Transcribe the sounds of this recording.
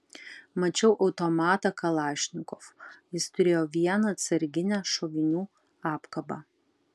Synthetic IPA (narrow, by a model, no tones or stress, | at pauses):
mɐt͡ʃʲɛʊʔɒʊt̪ɔmɑːt̪ɐkɐlˠɑːʃʲnʲɪkɔfjɪst̪ʊɾʲeːjoːʋʲiɛnɐɐt̪sɐɾʲɡʲɪnʲæːʃɔʋʲɪnʲuː | ɑːpkɐbɑ̰ː